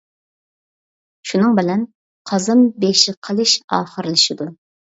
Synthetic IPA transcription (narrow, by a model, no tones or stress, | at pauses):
ʃunɨŋbɪlɛn | qʰɑzɨmbeʃɪqʰəlˠɨʃɑːχəɾɨlˠɨʃid̪u